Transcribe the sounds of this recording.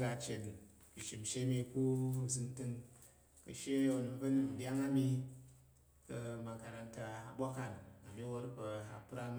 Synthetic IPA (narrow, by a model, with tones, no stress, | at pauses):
ɡa˧t͡ʃe˨t | i˨ʃi˨m˨ʃe˦mi˧ku˦˨zɨ˧n˦tɨ˧ŋ | kɐ̰˨ʃe˦o˨n˧˨bɐ˦nu˦mn̩˨dʲa˦ŋa˦mi˧ | kɐ˧ma˨˧ka˧ɾa˧nta˧a˨bʷa˦ka˨na˨mi˦wo˦ɾbɐ˧a˨pɾa˦m